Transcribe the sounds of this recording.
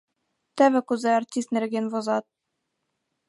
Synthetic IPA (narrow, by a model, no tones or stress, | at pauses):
t̪æβɘkʉzɘartʲist̪nɘ̆ɾɡɘnvŏzɑt̪̚